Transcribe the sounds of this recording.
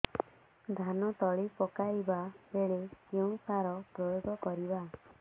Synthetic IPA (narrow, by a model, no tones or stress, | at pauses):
d̪ʱanɔt̪ɔɭipɔkaibaeɭekeũsaɾɔpɾɔjoɡʱɔkɔɾiba